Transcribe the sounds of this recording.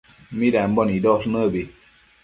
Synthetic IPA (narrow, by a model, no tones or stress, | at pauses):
midam̩bɔnidɔsnəbe